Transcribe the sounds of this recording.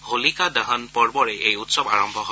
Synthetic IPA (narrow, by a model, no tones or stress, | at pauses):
holikadaɦanpɔɹbɔɹɛʔejutsɔba̰ɹɔmbʱɔɦo